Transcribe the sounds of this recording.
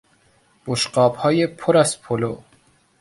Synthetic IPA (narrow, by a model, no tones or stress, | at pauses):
b̥oʃɢɒːbhɒːjepʰoɾæzpʰolo